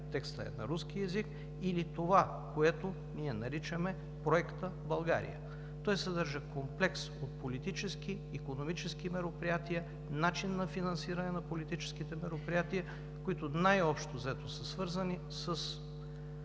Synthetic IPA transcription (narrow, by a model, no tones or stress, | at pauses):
t̪ɛkst̪ə̰ɛ̰nɐ̰ɾuskiɛzik | ilit̪ova | koɛt̪o | niɛnɐɾit͡ʃəmɛ | pɾoɛkt̪əbɐlˠɡa̰ɾḭjə̰ | t̪ɔjsəd̪əɾʒəkomplɛksot̪̚polit̪it͡ʃɛskiːkonomit͡ʃɛskimɛɾopɾijat̪ijə | nat͡ʃinːɐfinɐ̃nsiɾɐnɛnɐpolit̪it͡ʃɛ̥sk̟it̪ɛmɛɾopɾijat̪iə | koit̪onajɔpʃt̪ozɛt̪osəsvɤɾzəni | səs